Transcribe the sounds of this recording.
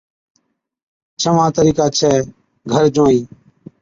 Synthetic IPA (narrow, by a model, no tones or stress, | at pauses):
t͡ʃʰəʋãːt̪əɾiːkaːt͡ʃʰɛː | ɡʱəɾd͡ʒõːiː